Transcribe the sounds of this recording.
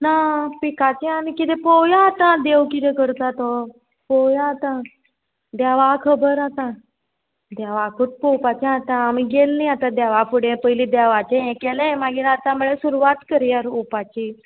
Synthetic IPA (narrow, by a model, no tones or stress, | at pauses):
napikat͡ɕeanikit̪ɛpowjat̪ãd̪ewkit̪ẽkəɾt̪at̪ɔ | pojaːt̪ã | d̪jaʋakʰəbəɾat̪ã | d̪jaʋakʰuʈ̚popat͡ɕẽat̪ãːmiɡelːĩat̪ad̪aʋafuɽẽpəilĩd̪aʋat͡ɕẽɛ̃kelẽmaɡiːɾat̪amuɭesuɾuʋat̪kəɾjaɾupat͡ɕi